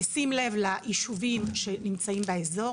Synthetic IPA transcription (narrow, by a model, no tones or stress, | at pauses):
simle̞vlaʔiʃuvimʃe̞nimt͡saimbeezo̞